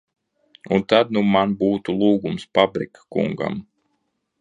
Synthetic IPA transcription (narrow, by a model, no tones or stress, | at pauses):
unt̪ad̪numanbuːt̪ulˠuːɡumsfabɾikḁkṵŋɡa̰m